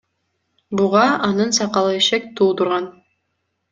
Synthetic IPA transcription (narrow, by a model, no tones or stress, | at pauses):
buʁɑɑnɯnsɑqɑlˠɯeʃek̚t̪ʰuːt̪uɾʁɑn